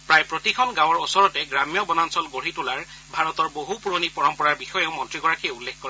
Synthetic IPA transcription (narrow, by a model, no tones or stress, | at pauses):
pɹajpɹotikʰɔnɡãw̃ɔɹɔsɔɹɔtɛɡɹamjɔbɔnansɔlɡoɹitulaɹ | bʱaɹɔt̪ɔɹboɦupuɹonipɔɹɔmpɔɹaɹbixɔjeʊmɔntɹiɡɔɹakieulːekʰkɔɹɛ